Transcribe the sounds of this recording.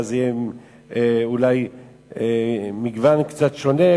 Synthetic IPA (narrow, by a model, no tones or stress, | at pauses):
zje | eulaj | emiɡvankt͡sat̪ʃo̞ne̞